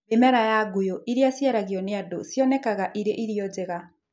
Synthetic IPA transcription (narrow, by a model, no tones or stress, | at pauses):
emɛɾajaɡujoʔiɾiasjaɾaɣiɔneadosjɔnɛkaɣaʔiɾeʔiɾiɔd͡ʑeɣa